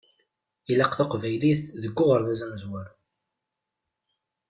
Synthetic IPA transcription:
ilɑqθaqvæjliθðəɡːʊʁəɾðæzænəzwəɾ

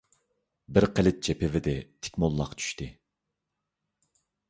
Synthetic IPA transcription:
bɪɾqʰɛlɪt̪̚t͡ʃʰɛpʰɪvɪd̪ɪt̪ʰɪ̥kʲmolˠːɑqt͡ʃʰy̥ʃt̪ɪ

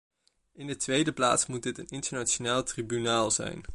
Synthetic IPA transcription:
ɪndətʋejdəpla̰ːtsmud̚dɪtənɪntəɹnat͡ʃonaːlˠtribynaːlˠz̥ɛ̰jn

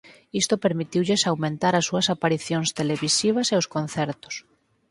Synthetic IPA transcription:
ist̪opeɾmit̪iwʎesawmẽnt̪aɾasːuɐsapaɾiθjoŋst̪eleβisiβ̞ɐseʊskonθɛɾt̪ʊ̥s

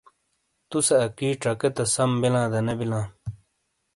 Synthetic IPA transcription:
t̪useɐkiːʈ͡ʂɐket̪ɐsɐmbilãːd̪ɐnebilãː

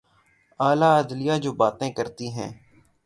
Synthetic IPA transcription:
aːlaːəd̪lɪjaːd͡ʒoːbaːt̪ẽːkəɾt̪iːɦɛ̃ː

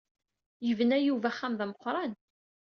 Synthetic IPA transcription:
jəvənæjuvæχːæmðæməqʷːɾˤɑn

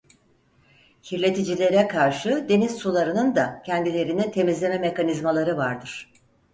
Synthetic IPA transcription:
hiɾlʲe̞t̪ʰid͡ʒilʲe̞ɾɛkʰaɾʃɯd̪e̞niz̥sulˠaɾɯnɯnd̪acʰɛnd̪ilʲe̞ɾinint̪ʰe̞mizlʲe̞mɛme̞kanizmalˠaɾɯvaɾd̪ɯɾ̥

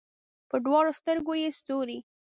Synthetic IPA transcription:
pəɖwɑɽost̪əɾɡojest̪oɾi

